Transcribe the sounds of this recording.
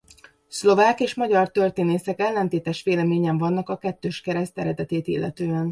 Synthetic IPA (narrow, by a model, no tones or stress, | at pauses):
slo̞vaːkeːʃmɒɟɒrt̪ø̞rt̪eːneːsɛkɛlːɛnt̪eːt̪ɛʃʋeːlɛmeːɲɛɱvɒnːɒkɒkɛt̪ːøːʃkɛɾɛst̪ɛɾɛd̪ɛt̪eːt̪ḭlːɛt̪øːɛn